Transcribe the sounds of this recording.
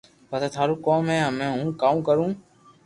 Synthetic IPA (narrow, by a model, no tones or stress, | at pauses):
pət̪eːt̪ʰaːɾuːkoːmɦeːãːmɛ̃ːɦũːkaːũːkəɾũː